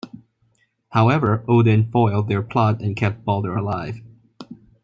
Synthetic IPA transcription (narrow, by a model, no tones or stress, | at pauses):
haʊɛvə˞ʔoʊdɨ̃nfɔɪlˠd̪̚ðə˞pʰl̥ɑtɨ̃nkʰɛp̚t̚b̥ɔlˠdə˞əlaɪv̥